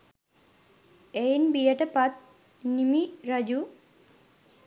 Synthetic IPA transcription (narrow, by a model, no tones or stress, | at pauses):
ejnbijəʈəpɐt̪̚ | nimiɾɐd͡ʑu